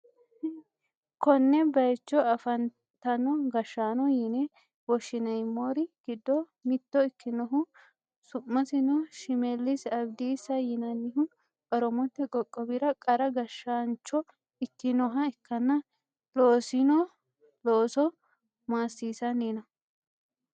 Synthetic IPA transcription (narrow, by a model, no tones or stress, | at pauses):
kɔnːɛbɐjt͡ʃːɔɐfɐn | t̪ːɐnɔɡɐʃːaːnɔjɪnɛ | wɔʃɪnɐjmːoːɾɪɡ̥ɪd̪ːɔ | mɪt̪ːɔɪkːɪnɔɦʊ | sʊmːɐsɪnɔʃɪmɛlːɪsɐbd̪iːsɐjɪnɐnːɪɦʊ | kʼɐɾɔmɔt̪ːɛkʼɔkʼːɔbɪɾɐkʼɐɾɐɡɐʃːaːnt͡ʃːɔ | ɪkːɪnɔɦɐɪkːɐnːɐ | loːsɪnɔ | loːsɔ | maːsːiːsɐnːiːnɐ